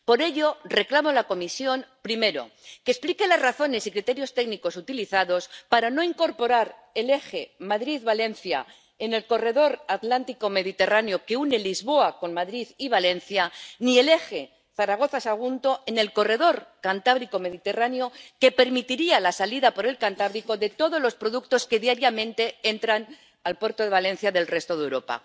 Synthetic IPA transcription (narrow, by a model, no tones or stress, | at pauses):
po̞ɾe̞ʎo̞re̞klamolako̞misjo̞npɾime̞ɾo̞̰kesplike̞lazraθo̞ne̞sikɾit̪e̞ɾjo̞st̪e̞ɡniko̞sut̪iliθaðo̞spaɾano̞iŋko̞ɾpo̞ɾaɾe̞le̞xe̞maðɾiðβale̞nθja̰ | e̞ne̞lko̞re̞ðo̞ɾat̪lant̪iko̞me̞ðit̪e̞ranjo̞ke̞une̞lizβo̞ako̞nmaðɾiðiβale̞n̟θjanie̞le̞xe̞ | θaɾaɣ̞o̞θasaɣ̞unt̪o̞e̞ne̞lko̞re̞ð̞o̞ɾkant̪aβ̞ɾiko̞me̞ðit̪e̞ranjo̞ke̞pe̞ɾmit̪iɾialasaliðapo̞ɾe̞lkant̪aβɾiko̞ðe̞t̪oð̞o̞zlo̞spɾo̞ðuk̚t̪o̞ske̞ðjaɾjamẽ̞nt̪e̞e̞nt̪ɾan | alpwe̞ɾt̪o̞ð̞e̞β̞alẽ̞n̟θjaðe̞lre̞st̪o̞ð̞e̞wɾo̞pa̰